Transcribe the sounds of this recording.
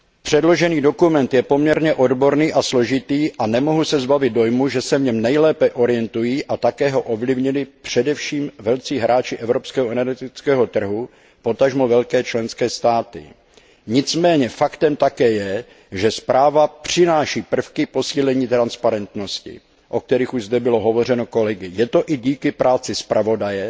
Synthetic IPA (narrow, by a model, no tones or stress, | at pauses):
pr̝̥ɛdlo̞ʒɛniːdo̞kumɛnt̪jɛpo̞mɲɛɾɲɛʔo̞dbo̞ɾniːʔaslo̞ʒɪt̪iːʔanɛmo̞ɦusɛzbavɪd̪̚do̞jmuʒɛsɛvɲɛmnɛjlɛːpɛʔo̞ɾɪjɛnt̪ujiːʔat̪akɛːɦo̞ʔovlɪvɲɪlɪpr̝̥ɛdɛfʃiːmvɛlt͡siːɦɾʔaːt͡ʃɪʔɛvɾo̞pskɛːɦoʔɛnɛɾɡɛt̪ɪt͡skɛːɦo̞t̪r̩ɦu | po̞t̪aʒmovɛlkɛːt͡ʃlɛnskɛːst̪aːt̪ɪ̰ | ɲɪt͡smɛːɲɛfakt̪ɛmt̪akɛːjɛ | ʒɛspɾʔaːvapr̝̥ɪnaːʃiːpr̩fkɪpo̞siːlɛɲiːt̪ɾanspaɾɛnt̪no̞scɪ̰ | ʔo̞k̚t̪ɛɾɪxuʒzdɛbɪlo̞ɦovo̞r̝ɛno̞ko̞lɛɡɪjɛt̪o̞ʔɪɟiːkɪpɾʔaːt͡sɪspɾʔavo̞dajɛ